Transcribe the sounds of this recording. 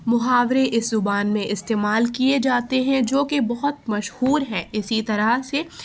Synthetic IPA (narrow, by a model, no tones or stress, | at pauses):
mʊɦaːʋɾeʔɪszʊbaːnmẽɪst̪eːmaːlkied͡ʒaːt̪eɦɛ̃d͡ʒoːkebɐɦʊt̪̚mɐʃhuːɾɦɛ̃ɪsit̪ɐɾase